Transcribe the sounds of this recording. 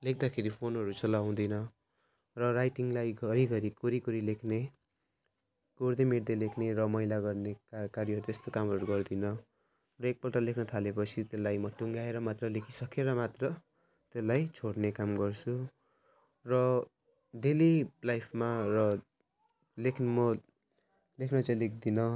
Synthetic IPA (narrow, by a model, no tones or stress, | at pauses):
lek̚ʰd̪akʰeɾipʰonɦʌɾut͡sʌlaw̃d̪ʌnʌ | rʌrajʈiŋlajɡʌɾiɡʌɾikoɾikoɾilekʰne | ɡ̥oɾd̪emeɽd̪elekʰneɾʌmʌjlaɡʌrnekkaɾiɦʌɾut̪est̪okamɦʌɾuɡʌrd̪inʌ | rʌek̚pʌlʈʌlekʰnʌt̪ʰalepʌt͡sʰit̪elːajmʌʈuŋɡaeɾʌmat̪rʌlekʰisʌkʰeɾʌmat̪rʌ | t̪elːajt͡sʰoɽnekamɡʌrt͡sʰu | rʌ | delilajpʰmarʌ | lekʰmʌ | lekʰnʌt͡sʌlek̚ʰd̪inʌ